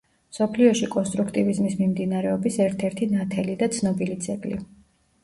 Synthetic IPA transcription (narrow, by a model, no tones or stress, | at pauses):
msɔpʰliɔʃikʼɔnst̪ʼɾukʰt̪ʼivizmismimd̪inaɾɛɔbisɛɾt̪ʰɛɾt̪ʰinat̪ʰɛlid̪at̪sʰnɔbilit̪sʰɛkʼlḭ